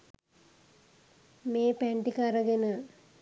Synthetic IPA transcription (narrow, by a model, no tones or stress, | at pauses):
meːpeɳʈikaɾɐɡenɨ